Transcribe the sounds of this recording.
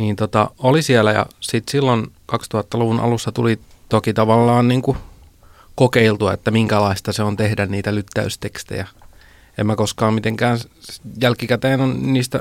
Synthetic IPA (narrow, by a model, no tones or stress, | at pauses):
niːnt̪ot̪ɑolisielæjɑ̰sit̪silːonkɑkst̪uhɑt̪ːɑluʋunʔɑ̰lusːɑt̪uli | t̪okit̪ɑʋɑlːɑːnniːŋku | kokeilt̪uɑḛt̪ːæmiŋkælɑist̪ɑseont̪ehdænniːt̪ælyt̪ːæ̰yst̪ekst̪ḛjæ | emmækoskɑːmmit̪eŋkæːnjælkikæt̪eːnonniːst̪æ